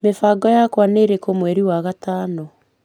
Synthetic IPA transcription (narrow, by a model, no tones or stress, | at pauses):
mefaɡɔjakwaneɾekomwɛɾiwaɣataːnɔ